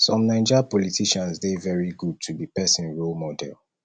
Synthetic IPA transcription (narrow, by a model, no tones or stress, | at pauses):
sɔ̃mnãɪ̃d͡ʒapɔlitʰiʃãnsdevɛɹiɡud̚tʰubipɛsĩnɹolmɔdɛ̰lˠ